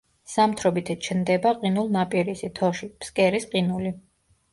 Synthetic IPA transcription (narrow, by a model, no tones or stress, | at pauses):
samt̪ʰɾɔbit̪ʰɛt͡ʃʰnd̪ɛbaqʼinulˠnapʼiɾisit̪ʰɔʃipskʼɛɾisqʼinuli